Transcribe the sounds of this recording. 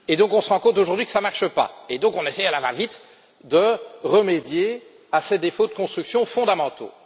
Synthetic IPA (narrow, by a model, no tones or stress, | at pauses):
ed̪ɔ̃kɔ̃səʁɑ̃kɔ̃t̪oʒuʁd̪ɥikə̥samaʁʃəpa̰ed̪ɔ̃kɔ̃nesɛjalava̰vit̪ | d̪əʁəmed̪je | ased̪efod̪əkɔ̃st̪χyksjɔ̃fɔ̃d̪amɑ̃t̪o̰